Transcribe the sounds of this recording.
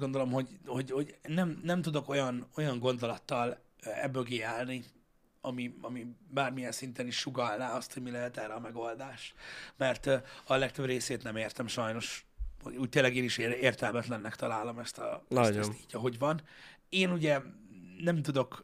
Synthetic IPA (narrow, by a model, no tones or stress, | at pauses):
ɡo̞nd̪o̞lo̞mho̞ɟho̞ɟho̞ɟnɛmnɛmt̪ud̪o̞kojɒno̞jɒŋɡo̞nd̪o̞lɒt̪ːɒl | ɛ̰bːøɡeːaːlni | ɒmiɒmibaːrmijɛnsint̪ɛniʃːuɡɒlnaːɒst̪ho̞ɟmilɛɦɛt̪ɛːrɛɒmɛɡo̞ld̪aːʃmɛrt̪ɒlɛk̚t̪øbreːseːt̪nɛmeːrt̪ɛmʃɒjno̞ʃho̰uːc̚t̪eːlːɛɡeːniʃeːrt̪ɛlmɛt̪lɛnːɛkt̪ɒlaːlo̞mɛst̪ɒ̰ɛst̪iːɟɒɦo̞ɟvɒneːnuɟɛnɛmt̪ud̪o̞k